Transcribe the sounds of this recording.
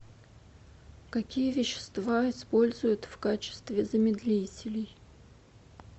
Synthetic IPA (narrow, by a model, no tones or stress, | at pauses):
kɐkʲijəvʲɪɕːɪ̥st̪vaɪspo̞lʲzʊjʊt̪fkat͡ɕɪ̥st̪vʲɪzəmʲɪd̪lʲitʲɪlʲɪj